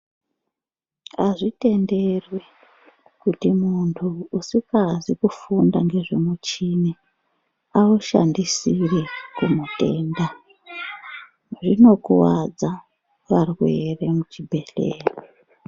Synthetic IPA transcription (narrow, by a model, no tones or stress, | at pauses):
aʐite̞nde̞rwe | kutimuntʰuːsikazikufundaŋɡe̞ʐemut͡ʃine | auʃa̰ndisirekumute̞ːnda | ʐino̞kuwad͡za | ʋarwere̞mut͡ʃibʱe̞ɬḛːre